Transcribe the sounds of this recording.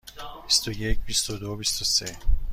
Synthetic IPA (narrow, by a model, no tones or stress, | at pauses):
bist̪ojecʰbist̪od̪obist̪ose